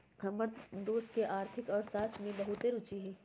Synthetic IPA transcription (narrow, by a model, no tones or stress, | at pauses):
ɡʱɐməɾd̪oːskeʔaːɾt̪ʰɪkɔːɾsaːsmẽlɐɦut̪eɾʊt͡ʃiɦɛː